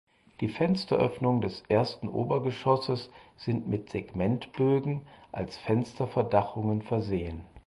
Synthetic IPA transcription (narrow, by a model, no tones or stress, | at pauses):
d̥iːfɛnstɐ̰ʔœ̰fnʊŋdɛsʔeːɐstn̩ʔo̰ːbɐɡəʃɔsəsz̥ɪntmɪtz̥eɡmɛntb̥øːɡŋ̩ʔalsfɛnstɐfɛɐdaχʊŋənfɛɐzeːən